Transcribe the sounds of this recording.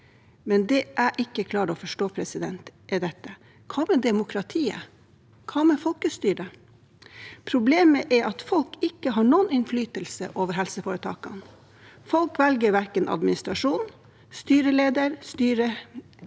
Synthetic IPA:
mɛnd̪ɛʔæʔɪkːəkʰlɑːɾɔfɔʂʈoːpʰɾɛsɪd̪ɛnt̪ʔɛd̪ɛt̪ːə | kʰɑːmɛd̪ɛmʊkʰɾɑt̪ʰiːə̰ | kʰɑːmɛfɔlkəst̪yːɖə | pʰɾʊbleːməʔɛɾʔɑt̪fɔlkɪkːəɦɑːɳuːənɪnflyːt̪əlsə̰ʔoːʋəɾɦɛlsəfoːɾət̪ʰɑ̰ːkɑn | fɔlkʋɛlɡəɾʋæɾkənʔɑ̰d̪mɪnɪst̪ɾɑʂuːn | st̪yːɾəleːd̪əɾst̪yːɾə

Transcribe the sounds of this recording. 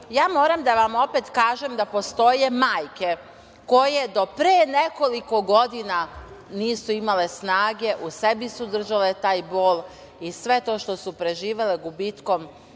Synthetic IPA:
jaːmo̞ːɾamd̪aʋamo̞pet̪kaːʒemd̪apo̞st̪o̞je̞maːjke̞ | ko̞jed̪o̞pɾeːne̞ko̞liko̞ɡo̞d̪inaniːsuimale̞snaːɡe̞ʔuse̞bisud̪r̩ʒale̞t̪aːjbo̞ːl | isʋe̞t̪o̞ʃt̪o̞supɾe̞ʒiːʋe̞leɡubiːt̪ko̞m

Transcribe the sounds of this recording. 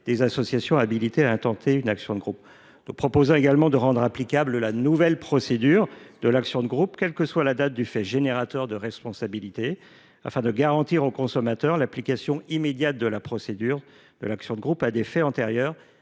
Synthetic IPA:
d̪̥ezasɔsjasjɔ̃abilit̪eaɛ̃t̪ɑ̃t̪eynaksjɔ̃d̪əɡʁup | nupχɔpozɔ̃eɡalmɑ̃d̪əʁɑ̃d̪ʁaplikabləlanuvɛlpχɔsed̪yʁd̪əlaksjɔ̃d̪əɡʁupkʲɛlkəswalad̪at̪̚d̪yfɛʒeneʁat̪œʁd̪əʁɛspɔ̃sabilit̪e | a̰fɛ̃d̪əɡaʁɑ̃t̪iʁokɔ̃sɔmat̪œʁlaplikasjɔ̃imed̪jat̪̚d̪əlapχɔsed̪yʁ | d̪ə̰laksjɔ̃d̪əɡʁupad̪efɛɑ̃t̪eʁjœːʁ

